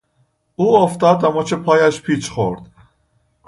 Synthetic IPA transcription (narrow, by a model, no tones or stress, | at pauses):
uːoft̪ɒːd̪æmɒːt͡ʃʰepʰɒːjæʃpʰiːt͡ʃʰχoɾd̪̥